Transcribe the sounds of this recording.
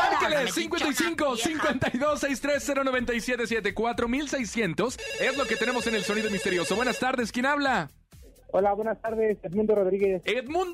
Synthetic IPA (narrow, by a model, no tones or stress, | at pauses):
aɾkelessːiŋkwent̪ajsiŋko̞siŋkwe̞nt̪ajðo̞sːejst̪ɾe̞sːe̞ɾo̞no̞βe̞nt̪ajsjet̪e̞sjet̪e̞kwat̪ɾo̞milse̞jsje̞nt̪o̞se̞zlo̞ke̞t̪ene̞mo̞se̞ne̞lso̞niðo̞mist̪eɾjo̞so̞βwe̞nast̪aɾðe̞skjenaβla | olaβwenast̪aɾðeset̪mũnd̪oroðɾiɣesetmũn